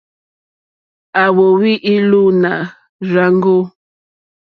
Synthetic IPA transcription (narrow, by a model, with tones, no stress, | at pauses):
a˨wo˨wi˦ʔi˦lu˦na˨ | ɾa˦ŋ˦ɡo˦